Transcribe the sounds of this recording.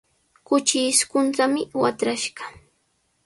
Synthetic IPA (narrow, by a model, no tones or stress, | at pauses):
kʊt͡ʃɪskʊnt̪amɪwat̪ɾaʃɢɑ̥